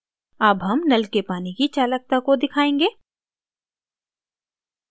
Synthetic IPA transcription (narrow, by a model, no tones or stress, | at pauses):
ɐbɦɐmnɐlkepaːnikit͡ʃaːlək̚t̪akod̪ɪkʰaːẽːŋɡeː